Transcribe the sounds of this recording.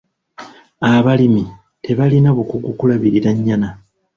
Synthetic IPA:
aβalimi | te̞βalinaβukuɡukulaβiɾiɾaɲːana

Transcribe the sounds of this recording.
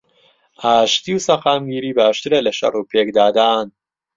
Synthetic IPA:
aːʃt̪ʰiusaxaːmɡiːɾiːbæːʃt̪iɾeleʃa̰ɾuːpʰeːkd̪aːd̪aːn

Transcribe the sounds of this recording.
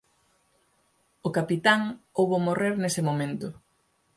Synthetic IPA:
ʊkapit̪aŋowβomoreɾnesɪmomẽnt̪ʊ

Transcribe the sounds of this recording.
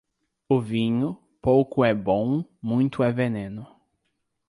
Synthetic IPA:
ʊvĩɲʊ | powkʊɛbõw̃mũj̃t̪ʊɛvenẽnʊ

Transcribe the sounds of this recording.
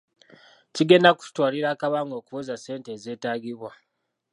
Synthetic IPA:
ciɡe̞ːndaku̥twaːliɾaːkaβaːŋɡo̞ːkuβozase̞ːnte̞ːze̞ːtaːɡiβwa

